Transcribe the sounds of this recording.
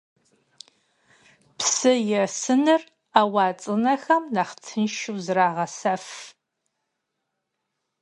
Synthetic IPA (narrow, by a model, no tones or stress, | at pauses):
psɨjɛsɨnɨr | aːwɑːt͡sʼɨnɐxɐmnaχtʰɨnʃuwzraːʁɐsɐf